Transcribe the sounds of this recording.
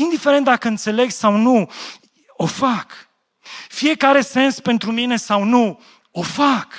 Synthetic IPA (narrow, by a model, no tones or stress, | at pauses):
ind̪ifeɾe̞nt̪̚d̪akəɨnt̪se̞le̞ɡsawnu | o̞fak | fije̞kaɾe̞se̞nspe̞nt̪ɾumine̞sawnu | o̞fak